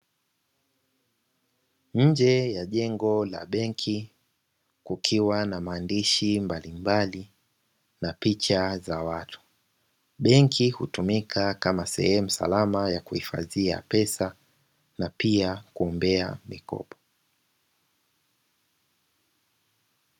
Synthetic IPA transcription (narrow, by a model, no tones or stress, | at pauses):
ɲ̩d͡ʒɛjaʄɛŋɡɔla̰ɓɛŋkʰi | kukʰiwanamaːndiʃimbalimbali | napit͡ʃazawatʰu̥ | ɓɛŋkʰihutumikʰakamasɛ̰hɛmusa̰lamajakuhifa̰ðia̰pɛsa | napiakuɔmbɛa̰mikɔ̰pʰɔ̥